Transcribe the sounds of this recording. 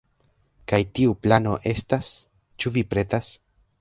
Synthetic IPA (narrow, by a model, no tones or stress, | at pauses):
kajtiuplano̞ʔe̞stas | t͡ʃuvipɾe̞tas